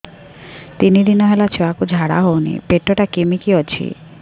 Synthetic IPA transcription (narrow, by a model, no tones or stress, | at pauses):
t̪inid̪inɔɦelat͡ʃʰɔakud͡ʒʱaɽa̰ɦownḭpeʈːɔʈakimikiɔt͡ɕʰḭ